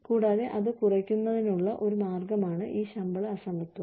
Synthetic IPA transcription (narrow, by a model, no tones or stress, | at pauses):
kuːɽaːðe̞ʔɐðɨkurɐkʲːunːɐðinuɭːɐʔo̞ɾumaːrɡɐmaːɳɨʔiːɕɐmbɐɭɐɐsɐmbɐt̪ːum